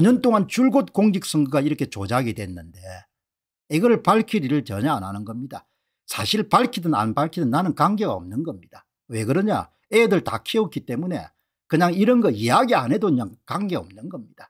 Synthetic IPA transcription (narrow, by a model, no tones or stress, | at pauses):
ɲʌnt͈oŋant͡ɕuɭɡot̚k͈oŋɡik̚s͈ʌŋɡɯɡaiɾʌkʰe̞t͡ɕod͡ʑaɡidwenːɯnde̞ | iɡʌɾɯɭpaɭkʰiɾiɾɯɭt͡ɕʌ̰ɲaananɯnɡʌmɲida̰ | sʰa̰ɕʰiɭpaɭkʰidɯna̰nbaɭkʰidɯnːanɯnkaŋɡe̞ɡaʌ̰mnɯnɡʌmɲid̥a | we̞ɡɯɾʌɲa̰ | edɯɭta̰kʰeok͈it͈e̞mune̞̰ | kɯɲaŋiɾʌnɡʌiaɡiane̞doɯɲaŋkaŋɡe̞ʌ̰mnɯnɡʌmɲid̥ḁ